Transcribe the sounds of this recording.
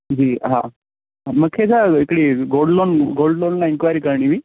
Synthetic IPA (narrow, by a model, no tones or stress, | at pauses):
d͡ʑiɦã̰ | aməkkʰed͡zaekɽiɡolɖlonɡolɖlonlaenkʋajɾiːkəɾɳiʋiː